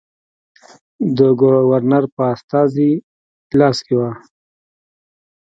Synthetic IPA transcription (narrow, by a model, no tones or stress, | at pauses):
d̪əɡʊwaɾnaɾpəast̪ɑzi | lɑskewa